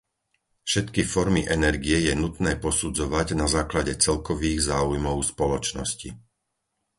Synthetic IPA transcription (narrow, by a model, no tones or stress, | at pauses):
fʃɛt̪kifɔɾmiʔɛnɛɾɡiɛjɛnut̪nɛːpɔsud͡zɔʋaɟnazaːklaɟɛt͡sɛlkɔʋiːɣzaːujmɔʊspɔlɔt͡ʃnɔ̰scḭ